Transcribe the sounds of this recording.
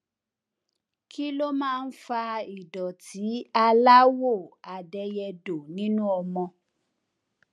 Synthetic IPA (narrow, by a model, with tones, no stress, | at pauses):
kʰi˦lo˦mãː˦˧n̩˦fa˧i˨dɔ˨tʰi˨˦a˧la˦wo˦˨a˨dɛ˧jɛ˧do˨nĩ˦nũ˦ɔ˧mɔ̃˧